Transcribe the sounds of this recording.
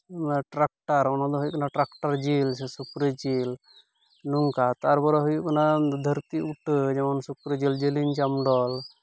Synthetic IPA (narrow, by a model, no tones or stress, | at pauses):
ʈɾak̚ʈaɾɔnɔd̪ɔɦujuʔkɔnaʈɾakʈaɾd͡ʒilsɛsukɾəd͡ʒil | nuŋkat̪aɾbɔɾɔɦujuʔkɔnad̪ʱəɾt̪iuʈd͡ʒɛmansukɾəd͡ʒild͡ʒiliɲt͡ʃamɖɔl